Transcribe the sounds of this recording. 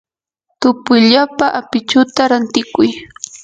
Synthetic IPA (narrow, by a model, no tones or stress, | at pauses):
t̪ʊpʊjʎapaʔapɪt͡ʃʊt̪aɾant̪ɪkʊj